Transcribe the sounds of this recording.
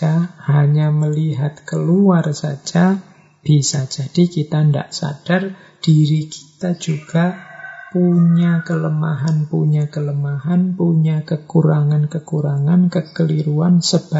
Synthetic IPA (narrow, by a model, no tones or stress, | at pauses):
ahaɲaməliɦat̪̚kəluarsa̰̥d͡ʒ̥a | b̥isad͡ʒ̥ad̥ikit̪anda̰ʔsa̰d̥ar | d̥iɾiki̥t̪ad͡ʒuɡ̥apuɲakələmaɦanpuɲakələmahanpuɲakəkuɾaŋankəkuɾaŋankəkəliɾuansəb̥a